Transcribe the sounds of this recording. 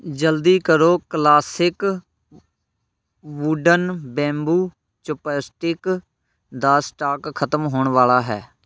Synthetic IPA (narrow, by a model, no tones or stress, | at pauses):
d͡ʒəld̪iːkəɾoːklaːsɪk | ʋuɖənbɛ̃ːmbuː | t͡ʃʊpəːsʈɪk | d̪aːsʈaːkkʰət̪əmɦoːɳʋaːlaːɦɛ̰ː